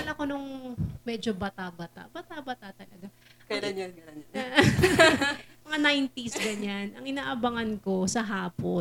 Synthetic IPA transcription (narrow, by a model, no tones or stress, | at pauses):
ɐlɐko̞nʊŋmɛd͡ʒobɐt̪abɐt̪a̰ʔbɐt̪abɐt̪aʔt̪ɐlɐɡa | kɐlanjo | mɐŋanajnt̪isɡɐɲanʔɐŋɪnaːʔɐbɐŋɐnko̞sɐɦaːpo